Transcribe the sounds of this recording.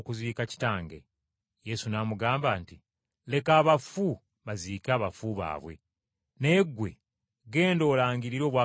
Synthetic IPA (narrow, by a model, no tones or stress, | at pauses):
kuziːkaci̥taːŋɡḛ | je̞sunaːmuɡaːmbaːnti | le̞kaːβafu | βaziːkaːβafuβa̰ːβwe̞̰ | ne̞ːɡwe̞̰ | ɡe̞ːndo̞ːlaːɲɟiɾiɾo̞ːβwaː